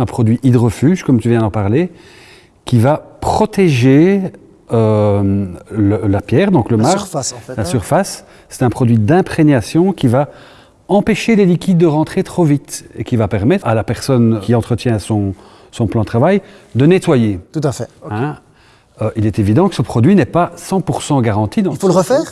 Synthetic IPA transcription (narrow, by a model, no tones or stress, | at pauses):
ɛ̃pχɔd̪ɥiʔid̪əʁəfyːʒkɔmt̪yvjɛ̃d̪ɑ̃paʁle | kʲivapχɔt̪eʒe | ø | ləlapjɛːʁd̪ɔ̃kləmaʁslasyʁfas | sɛ̥t̪ɛ̃pχɔd̪ɥid̪ɛ̃pχeɲjasjɔ̃kʲiva | ɑ̃peʃelelikʲid̪̚ːəʁɑ̃t̪χet̪χovit̪ekʲivapɛʁmɛt̪alapɛʁsɔnkʰʲiɑ̃t̪χət̪jɛ̃sɔ̃ | sɔ̃plɑ̃d̪ət̪ʰχavajd̪ənet̪wajet̪ut̪afɛɛ̃ | øʔilɛt̪evid̪ɑ̃kə̥səpχɔd̪ɥinɛpasɑ̃puʁsɑ̃ɡaʁɑ̃t̪id̪ɑ̃folʁəfɛːʁ